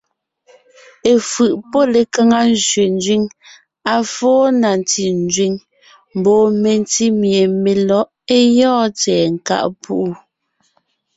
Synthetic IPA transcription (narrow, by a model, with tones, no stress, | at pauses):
e˨fɯ˨ʔpɔ˦le˨ka˦ŋa˦n˦zɥe˨n̩˦d͡ʒɥi˦ŋ | a˨fɔː˦na˨n˨ti˨n˦d͡ʒɥi˨ŋ | m̩˨bɔː˨me˨n˦ti˦mje˨me˨lɔ˨˦ʔ | e˦jɔ̃ː˦t͡sɛː˨ŋ̩˨ka̰˦˨ʔpu˦ʔu˦